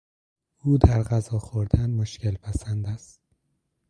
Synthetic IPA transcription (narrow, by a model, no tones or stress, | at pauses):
uːd̪æɾɢæzɒːxoɾd̪ænmoʃcelpʰæsænd̪æst̪̚